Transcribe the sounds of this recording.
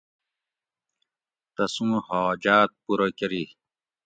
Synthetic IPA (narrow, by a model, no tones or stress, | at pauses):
t̪ɐsumhɔːd͡ʑaːt̪̚puɾokeɾi